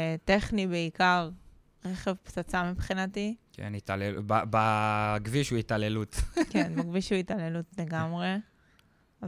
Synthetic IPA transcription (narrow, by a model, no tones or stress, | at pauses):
teχnibeikaʁ | ʁeχevpt͡sat͡samipχinatikʰḛnit̪alelbabaɡviʃuitalelut̪kenmaɡviʃuitalelutle̞ɡamʁe̞ | a